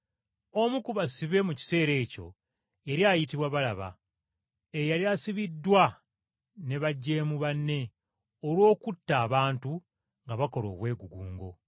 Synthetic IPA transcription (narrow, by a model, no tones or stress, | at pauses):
o̞mukuβasiβe̞muci̥se̞ːɾe̞ːco̞̰ | eɾjajitiβwaβalaβa̰ | ejaliasiβidːwa | ne̞βaɟːe̞ːmuβanːe̞ | olwo̞ːkutːaːβaːntu | ŋɡaβako̞lo̞̰ːβwe̞ːɡuɡuːŋɡo̞̰